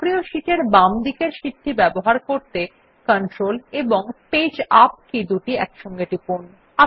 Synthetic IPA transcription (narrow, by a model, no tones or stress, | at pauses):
kɾioʃiʈeɾbamd̪ikeɾʃid̪ʰibɛboɦaɾkoɾt̪e | kɔnʈɾoleboŋped͡ʑap̚kid̪uʈiɛ̰kʃɔŋɡeʈipon | a